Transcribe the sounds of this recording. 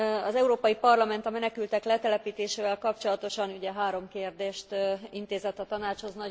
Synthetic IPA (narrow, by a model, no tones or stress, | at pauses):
ɒzɛuɾoːpɒjipɒrlɒmɛn̪t̪ɒmɛnɛkylt̪ɛklɛt̪ɛlɛpiːt̪eːʃeːvɛlkɒpt͡ʃo̞lɒt̪o̞ʃɒnuɟɛɦaːɾo̞mkeːrd̪eːʃt̪int̪eːzɛt̪ːɒt̪ɒnaːt͡ʃho̞znɒ